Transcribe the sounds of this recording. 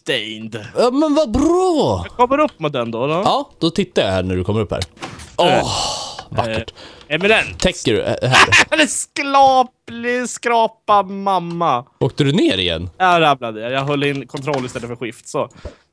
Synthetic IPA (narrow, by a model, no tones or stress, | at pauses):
t̪ɛjnd̪jɑːmɛnvabɾɑːkʰɔmːəɾɵpːmɛt̪̚d̪ɛnd̪ɔɑːd̪̥ɔt̪ʰɪt̪ːajahæːɳæɖɵkʰɔmːəɾɵpːhæ̰ːɾɔ | vakːəʈɛmɪnɛnt̪ʰɛŋkːəɖ̰ɦæːɾlɛsklɑːplɪskɾɑːpamamːaoːk̚t̪əɾɵneːɾɪjɛ̰nːjaɾablad̪əjajɑɡɦœlːəɪnːkʰɔnt̪ʰɾɔlːɪst̪ɛlːət̪fœɾɧɪft̪sɔ